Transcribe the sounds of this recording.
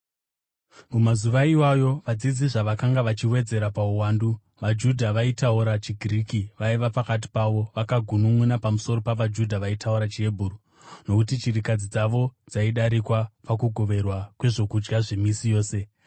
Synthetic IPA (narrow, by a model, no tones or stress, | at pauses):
mumazuʋaiwajo̞ʋad͡zid͡ziʐaʋakaŋɡaʋat͡ʃiwe̞d͡ze̞ɾapauwaːndu | ʋad͡ʒudʱaʋaitauɾat͡ʃiɡʱiriːkiʋaiʋapakat̬i̥paʋo̞ʋakaɡʱunumwunapamuso̞ɾo̞paʋad͡ʒudʱaʋaitʰauɾat͡ʃie̞bʱuru | no̞kutit͡ʃirikad͡zid͡zaʋo̞d͡zaiɗaɾikwapakuɡʱo̞ʋe̞rwakwe̞ʐo̞kud͡ʒɡaʐemisijo̞ːse̞